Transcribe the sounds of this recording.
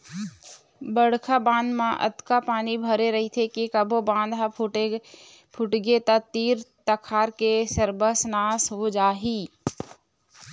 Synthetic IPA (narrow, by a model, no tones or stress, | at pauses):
bəɽ̤kʰabãːnd̪mãʔɐ̰t̪kapaːnibʱəɾeɾɐɦit̪ʰekikɐbʱobãːnd̪ɦa | pʰʊʈɡet̪ɐt̪iːɾt̪ɐkʰaːɾkesəɾbəsnaːsɦod͡ʒaːɦiː